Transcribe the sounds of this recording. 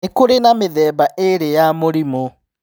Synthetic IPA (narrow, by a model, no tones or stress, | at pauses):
ekoɾenameðɛːbaʔeɾejamoɾimo